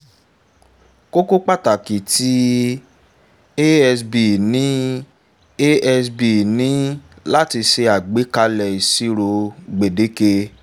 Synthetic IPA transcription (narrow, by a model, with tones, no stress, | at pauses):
ko˦ko˦k͡pa˦˨ta˨ki˨ti˦ | e˦ɛ˧sbi˨nĩ˨˦ | e˦ɛ˧sbi˨nĩ˨˦la˦ti˧ʃe˧a˨ɡ͡be˨˦ka˧lɛ˨i˨si˦ɾo˧ɡ͡be˨de˨˦ke˧